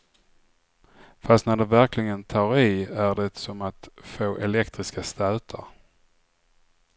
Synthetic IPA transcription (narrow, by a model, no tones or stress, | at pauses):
fast̪næɖɛvæɾklɪɡənt̪ʰɑːɾɪæɖɛsɔmat̪foːʔɛlɛkt̪ɾɪskast̪æːt̪ʰa̰ɾ